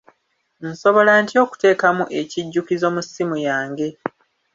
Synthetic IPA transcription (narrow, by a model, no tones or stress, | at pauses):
n̩so̞βo̞lantio̞ːku̥te̞ːkamuʔe̞ciɟːukizo̞ːmusimujaːŋɡe̞